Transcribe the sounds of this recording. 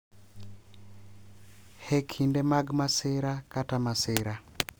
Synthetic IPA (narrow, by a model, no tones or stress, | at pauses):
hekʰindɛmaɡmasɪɾakatamasɪɾa